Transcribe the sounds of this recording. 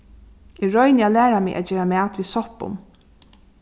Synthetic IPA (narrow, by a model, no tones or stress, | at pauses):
ɪɹɔjnɪalæːɾamɪɡʔa̰t̪̚d͡ʒeːɾamæːt̪ʋisɔhpʊ̰m